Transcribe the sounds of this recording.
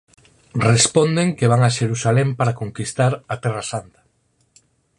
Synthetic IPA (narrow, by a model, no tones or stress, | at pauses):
respɔnd̪eŋkeβ̞aŋaʃeɾusalɛmpaɾakoŋkist̪aɾat̪ɛrasant̪ḁ